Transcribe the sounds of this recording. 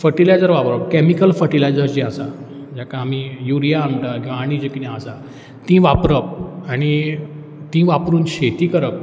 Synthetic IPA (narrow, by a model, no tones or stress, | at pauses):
fəʈilajd͡zəɾʋapɾəpkɛmikəlfəʈilajd͡zəɾd͡ʑiasa | d͡ʑakaːmijuɾijaːɳʈ̪aɡiaɽ̃id͡ʑəkinjaəsa | t̪ĩʋapɾəp̚aɽ̃i | t̪ĩʋapɾuːnɕet̪iːkəɾəp̚